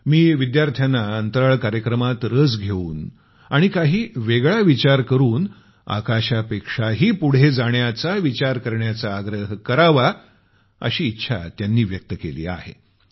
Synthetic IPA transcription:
miːʋid̪jaɾt̪ʰjanːaənt̪əɾəɭkaɾjəkɾəmat̪ɾəd͡zɡʱeuːn | aɽ̃ikaɦiːʋeɡɭaʋit͡ɕaɾkəɾuːn | a̰kaɕapekʂaɦiːpuɽ̤ed͡zaɳjat͡saʋit͡ɕaɾkəɾɳjat͡saːɡɾəɦkəɾaʋa | ə̰ɕiːtːɕʰa̰t̪janːiːʋjək̚t̪əkelḭːa̰hḛ

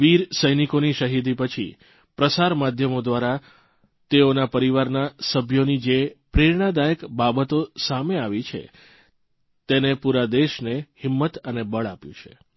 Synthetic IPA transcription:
ʋiɾsəjnikoniʃəɦid̪ipət͡ʃʰḭ | pɾəsaɾmad̪ʱjəmod̪ʋaɾa | t̪eonapəɾiʋaɾnasəbʱjonid͡ʒepɾeɾɳ̃ad̪ajəkbabət̪osameaʋit͡ʃʰḛ | t̪enepuɾad̪eʃnehɪmːət̪ənebəɭapjṵ̃t͡ʃʰḛ

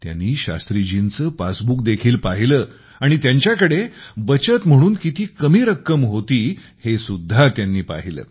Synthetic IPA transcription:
t̪ja̰nːiːɕa̰st̪ɾid͡ʑint͡səːpasbuk̚d̪ekʰiːlpaɦiləː | aɽ̃it̪jaɲt͡ɕjakəɽebət͡ɕət̪m̤əɽ̃uːnkit̪iːkəmiːɾəkːəmɦot̪iː | hesud̪ʱːat̪janːiːpa̰ɦilə̰ː

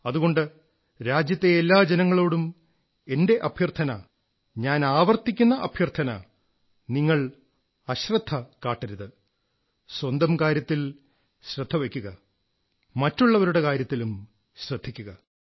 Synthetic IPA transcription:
ɐðuɣo̞ɳɖɨ | ɾaːd͡ʑjɐt̪ːe̞elːaːd͡ʑenɐŋːɐɭo̞ːɽum | e̞nde̞ʔɐbʱjɐrt̪ʰɐnɐ | ɲaːnaːʋɐrt̪ːikʲːunːɐʔɐbʱjɐrt̪ʰɐnɐ̰ | niŋːɐɭ | ɐɕrɐd̪ʱʰːɐkaːʈːɐɾuðɨ | swɐnd̪ɐmkaːɾjɐt̪ːil | ɕrɨd̪ʱːɐʋekʲːuɣɐ | mɐtːuɭːɐʋɐɾuɽe̞kaːɾjɐt̪ːilum | ɕrɨd̪ʱːikʲːuɣɐ

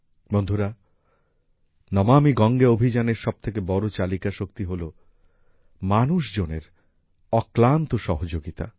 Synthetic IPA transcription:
bond̪ʱuɾa | nɔmamiɡɔŋɡeobʱid͡ʑaneɾʃɔb̚t̪ʰek̬ebɔɾot͡ɕalikaʃokt̪iɦolo | manuʃd͡ʑoneɾ | ɔklant̪oʃɔɦod͡ʑoɡit̪a̰

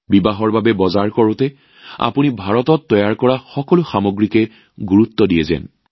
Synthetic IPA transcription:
bibaɦɔɹbabɛbɔzaɹkɔɹʊtɛ | a̰punibʱaɹɔtɔtːɔjaɹkɔɹaxɔkɔlʊxamoɡɹikɛ | ɡuɹutːɔdiɛzɛ̰n

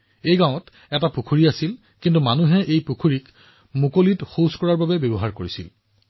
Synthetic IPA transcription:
ejɡãʊ̃ɔt | ɛtapukʰuɹiasil | kintumanuɦɛʔejpukʰuɹik | mukolitxoskɔɹaɹbabɛbebɔɦaɹkoɹisil

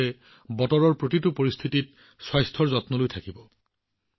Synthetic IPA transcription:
e | bɔtɔɹɔɹpɹotitupoɹist̪ʰitit̚ | swajstʰɔɹzɔtnɔlojtʰakibɔ

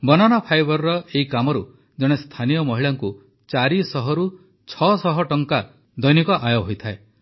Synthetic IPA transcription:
bɔnanɔpʰajbɔɾɾɔʔeikamɔɾu | d͡ʒɔɽ̃est̪ʰanijɔmɔɦiɭaŋku | t͡ʃaɾisɔɦɔɾu | t͡ʃʰɔsɔɦɔʈɔŋka | d̪ɔjnikɔʔajɔɦojt̪ʰae

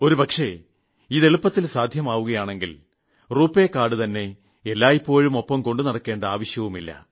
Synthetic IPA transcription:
o̞ɾupɐkʂe̞ | iðe̞ɭupːɐt̪ːilsaːd̪ʱjɐmaːʋuɣɐjaːɳe̞ŋɡil | ruːpːe̞kːaːɽɨt̪ɐnːe̞ | elːaːjipːo̞ːɻumo̞pːɐmko̞ɳɖunɐɽɐkːe̞ːɳɖɐaːʋɐɕjɐʋumilːɐ̰

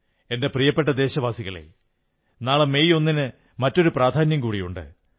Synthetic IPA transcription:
e̞nde̞prijɐpːeʈ̬ːɐd̪e̞ːɕɐʋaːsiɣɐɭḛ | naːɭeme̞jo̞nːinɨ | mɐtːo̞ɾupraːd̪ʱaːnjɐmkuːɽijuɳɖɨ̰

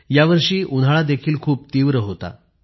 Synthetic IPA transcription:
jaʋəɾʂiːʔun̤aɭad̪ekʰiːlkʰuːp̚t̪iʋɾəɦot̪a̰

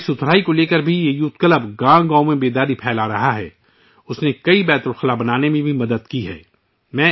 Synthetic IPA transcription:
sʊt̪ʰɾaːikoleːkəɾbʱijejuːt̪kələbɡãːɡãːõmẽbeːd̪aːɾipʰɛːlaɾɐɦaɦɛ̰ː | ʊsnekɐibɛːt̪ʊlxɐlabɐnaːnemẽbʱimɐd̪əd̪kiɦɛ̰ː | mɛ̃ː

